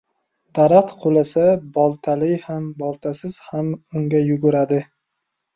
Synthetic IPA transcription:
d̪̥aɾaqt̪qʰolasabɒlˠt̪ʰalɪjhambɒlˠt̪ʰasɪz̥hamʊŋɡʲajʊɡʊɾad̪ɪ

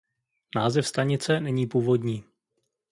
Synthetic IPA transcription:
naːzɛfst̪aɲɪt͡sɛnɛɲiːpuːvo̞dɲiː

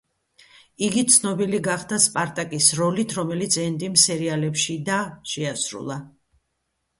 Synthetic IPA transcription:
iɡit̪sʰnɔbiliɡaχd̪aspʼaɾt̪ʼakʼisɾɔlit̪ʰɾɔmɛlit̪sʰɛnd̪imsɛɾialɛpʃid̪aʃɛasɾṵlˠa

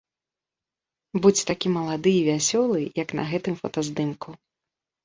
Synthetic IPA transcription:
but͡sʲt̪akʲimɐlˠad̪ɨivʲasʲɔlˠɨjɐknɐ̰ɣɛt̪ɨmfɐ̰t̪ɐzd̪ɨmku

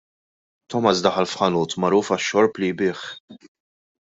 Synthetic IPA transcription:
t̪ɔmɐsd̪ɐħɐlfħɐnuːt̪mɐɾuːfɐʃːɔɾplijbɪːħ

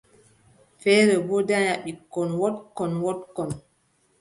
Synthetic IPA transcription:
fɛːɾɛbɔdaɲaɓikːɔnwɔtkːɔnwɔtkːɔn

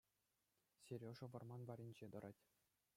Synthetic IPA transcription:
sʲeɾʲoʐɤ̆ʋɤ̆rmɑnbɑɾʲinʲd͡ʑed̪ɤ̆ɾʔɑtʲ

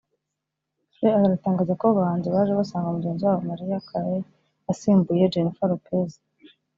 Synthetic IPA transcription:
ɾeaaɾataːŋɡaːzakoβandiβaːʒeβasaːŋɡaumuɟenziwaːβomaɾijakʰaɾe | asiːmbujed͡ʒenifaɾopʰeza

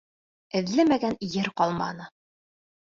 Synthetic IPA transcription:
ɘ̆ðlɘmæɡænjɘɾqɒlˠmɑ̰nɤ

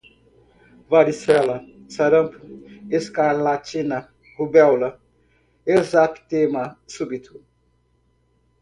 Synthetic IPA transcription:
vaɾisɛlɐ | sɐɾɐmpʰeskaɾlat͡ʃina | hubɛwlɐ | ezat̪t̪emasubit̪ʰu

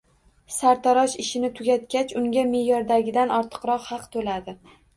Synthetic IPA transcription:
saɾt̪ʰaɾɒʃɪʃɪnɪt̪ʰʊɡʲat̪̚kʲat͡ʃʊŋɡʲame̞jɒɾd̪aɡʲɪd̪anɒɾt̪ʰɨ̥qɾɒqhɑqt̪ʰolad̪ɪ

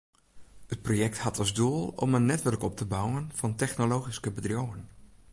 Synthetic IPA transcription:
ət̚projɛk̚thatɑzduəlˠɔ̰mənːɛtʋɵrkɔp̚təbawənfɑntɛxnolowχiskəbədrjowən

